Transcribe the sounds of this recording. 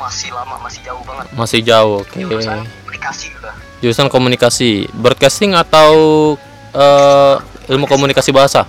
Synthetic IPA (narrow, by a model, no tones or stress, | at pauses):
maslama̰masɪd͡ʒamasɪhd͡ʒauhokenikasia | d͡ʒuɾusankomunikasibəɾt̪̚kast̪ɪŋat̪aw | ə | ilmukomunikasibaɦasa